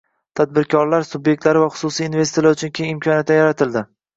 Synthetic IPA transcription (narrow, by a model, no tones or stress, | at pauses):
t̪ʰad̪̚bɪɾkʲʰɒɾlaɾsʊbjek̚ʲt̪laɾɪvaχʊ̥sʊsijːnve̞sjalaʊt͡ʃʰʊnkʲʰejɪmkʰʲɒnjat̪̚d̪ajaɾat̪ʰɪld̪ɪ